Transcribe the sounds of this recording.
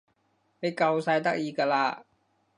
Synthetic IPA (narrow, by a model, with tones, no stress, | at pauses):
ne˨˧jkɐ˧wsɐ˧jt̪ɐ˥k̚jiː˧kaː˧laː˧